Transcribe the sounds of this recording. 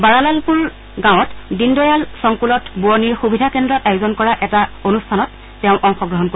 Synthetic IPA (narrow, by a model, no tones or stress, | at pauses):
baɹalalpuɹ | ɡãw̃ɔtdindɔjalsɔŋkulɔtbuɔniɹxubʱidʱakɛndɹɔtajuzɔnkɔɹaʔɛtaonustʰanɔtː | ɛʊ̃ʔɔŋxɔɡɹɔɦɔnko